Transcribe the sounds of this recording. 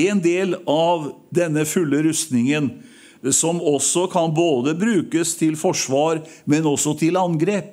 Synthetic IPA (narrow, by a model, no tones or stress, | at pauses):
ɛnd̪eːlɑʋ | d̪ɛnːəfʉlːəɾʉst̪nɪŋən | sɔmɔsːɔkʰɑnboːd̪əbɾʉːkəst̪ʰɪlfɔʂʋɑːɾmɛnɔsːɔt̪ʰɪlɑnɡɾeːp̚